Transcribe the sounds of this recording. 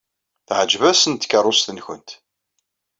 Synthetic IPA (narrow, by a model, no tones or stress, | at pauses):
θʕd͡ʒvæsənt̪kəɾˤʊst̪ənçə̰nt̪